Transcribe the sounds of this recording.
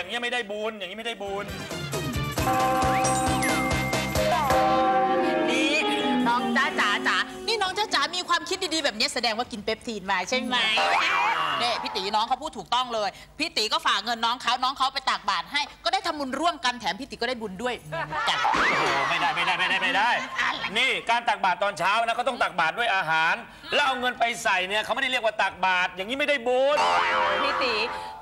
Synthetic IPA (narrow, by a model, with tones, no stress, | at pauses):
ja˨˩ŋːi˦˥ɐma˥˩jda˥˩jbuː˧nja˨˩ŋːi˦˥˦ma˥˩da˥˩jbuː˧n˧˩˧ | ɔː˨˧˩niː˧˥˩nɔː˦˥ŋt͡ɕaː˨˦˥t͡ɕaː˨˦˥t͡ɕaː˨˦ | niː˥˩nɔː˦˥ŋt͡ɕaː˧˩t͡ɕaː˨˦˥miː˧kʰwaː˧mk̪̚ʰdiː˧diː˧bɛː˨˩p̚ni˦˥ɐsa˧dɛː˧ŋwaː˥˩ki˧npe˦˥p̚t̪ʰiː˧˩nmaː˧t͡ɕʰe˥˩ma˧ne˧˥˩pʰi˦˥t̪i˩˦nɔː˦˥ŋkʰa˦˥wpʰuː˥˩t̪ʰːuː˨˩k̚t̪ɔ˥˩ŋlɤː˧j | pʰiː˦˥˩t̪iː˨˩˦kɔː˥˩faː˨˩k̚ŋɤ˧nːɔː˦˥ŋkʰa˦˥wnɔː˦˥ŋkʰa˦˥wpa˧jt̪aː˨˩k̚baː˨˩t̪̚ɦa˥˩jkɔː˥˩daː˥˩jt̪ʰa˧mːu˧nɾu˥˩əmka˧nt̪ʰɛː˩˦mpʰiː˦˥˩i˨˦kːɔ˥˩daː˥˩jbu˧ndu˥˩əjt͡ɕa˨˩k̚oː˧˩ma˥˩jdaː˥˩jma˥˩jda˥˩jma˥˩daː˥˩jma˥˩jdaː˥˩ja˧˩niː˧˥˩kaː˧nt̪aː˨˩k̚baː˨˩t̪ːɔː˧nt͡ɕʰaː˦˥wn˧˦˥kaː˥˩t̪ɔ˥˩ŋt̪aː˨˩k̚baː˨˩t̪̚du˥˩əjʔaː˧ɦaː˩˦n | lɛ˦˥wʔa˧wŋɤ˧npa˧jsa˨˩jni˦˥ɐkʰa˦wma˥˩da˥˩ɾi˥˩ək̚wa˥˩t̪aː˨˩k̚baː˨˩t̪̚jaː˨˩ŋːi˦˥ma˥˩jda˥˩jbu˧n˧pʰiː˦˥˩t̪i˨˩˦